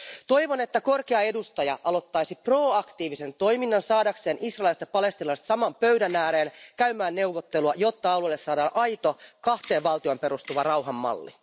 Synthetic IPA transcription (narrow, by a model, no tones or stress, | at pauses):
t̪o̞jʋone̞t̪ːæko̞rkeɑe̞dust̪ɑjɑʔɑlo̞t̪ːɑjsipro̞ːɑkt̪iːʋise̞nt̪o̞jminːɑnsɑːdɑkse̞ːnʔisrɑːlst̪ɑpɑle̞st̪ilɑst̪sɑmɑmpøɥdænæːɾe̞ːnkæymæːnːe̞wʋːot̪ːeluɑjo̞t̪ːɑɑlulːesːɑːdɑːnʔɑjt̪o̞kɑht̪e̞ːʋʋɑlt̪io̞mpe̞ɾust̪uʋɑrɑwɦɑmːɑ̰lːi